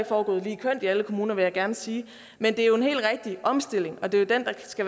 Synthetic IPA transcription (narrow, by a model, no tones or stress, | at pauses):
ɡ̥fɒːɡ̥ɔ̰̽ːðˠliːkʰøn̰d̥iæləkʰo̝muːnɐʋe̝jɑ̈ɡ̥æɐnəsiː | mend̥e̝æɐjo̝e̝nɦḛːl̥ʁɛɡ̥̚d̥iʔɒ̽msd̥e̝l̰e̝ŋɒ̽d̥e̝od̥end̥ɑ̈sɡ̥æ